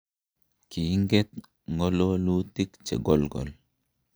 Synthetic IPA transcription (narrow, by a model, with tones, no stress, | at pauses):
ki˨ŋɡɛ˦t̪̚ | ŋɔ˦lo˦lu˦ti˦kt͡ʃḛ˨ɡɔ˦lɡɔ̰˨l